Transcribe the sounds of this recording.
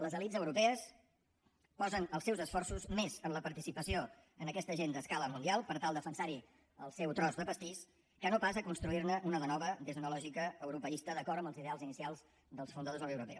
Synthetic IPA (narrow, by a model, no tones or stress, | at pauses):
ləzəlidzəwɾupɛəs | pɔzənəlˠsɛwzəsfɔrsuzmezənləpəɾt̪isipəsioənəkɛst̪əʒend̪əskaləmund̪ialˠpəɾt̪alˠd̪əfənsaɾi | ə̰lˠsɛwt̪ɾɔzðəpəst̪is | kənopas̬əkunst̪ɾuiɾnəʔunələnɔβəðezunəlɔʒikəːwɾupəist̪əðəkɔɾt̪əmbəlˠziðealˠzinisialˠz | ðəlˠsfund̪əðozəewɾupɛ̰